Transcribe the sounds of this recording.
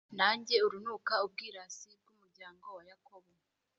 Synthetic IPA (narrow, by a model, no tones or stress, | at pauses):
naːɲɟe̞uɾunuːkaub̚ɡiːɾasib̚ɡumuɾɟaːŋɡo̞wajako̞βo